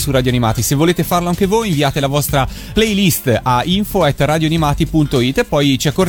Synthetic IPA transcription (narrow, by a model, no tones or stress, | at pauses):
surːad̪joanima̰ːt̪isevːoleːt̪efarloaŋk̟evojiɱviaːt̪elavɔst̪ɾa | plejlist̪aiɱfoɛt̪ːrad̪joanimaːt̪ipunt̪oit̪ːepːɔjt͡ʃiakːor